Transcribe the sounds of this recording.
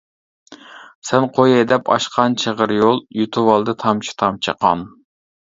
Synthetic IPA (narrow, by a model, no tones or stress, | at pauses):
sɛnqʰojɑd̪ɛpʰɑ̰ʃqʰɑnt͡ʃʰəʁəɾjolˠjut̪ʰuwɑlˠd̪ɨt̪ʰɑmt͡ʃʰi̥t̪ʰɑmt͡ʃʰə̰qʰɑ̰n